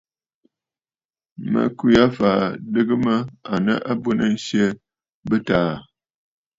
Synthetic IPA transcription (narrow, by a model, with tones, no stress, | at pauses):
mə̰˨kʉ˦ja˦faː˨dɨ˦ɡɨ˦mə˦a˨nə˦ʔa˦bə˦nə˦˨n̩˦sjə˦ | bə˦taː˨˦˨